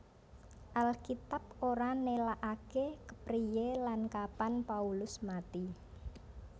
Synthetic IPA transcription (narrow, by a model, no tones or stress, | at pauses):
ʔalkit̪ap̚oɾanelaʔakekə̥pɾijelankapanpaulʊsmat̪i